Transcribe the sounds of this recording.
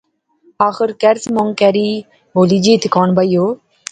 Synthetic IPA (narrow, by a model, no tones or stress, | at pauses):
aːxɪɾkɛɾsmoŋkɛɾi | ɦoːlid͡ʒiːt̪ʰkɔːɳbɐjoː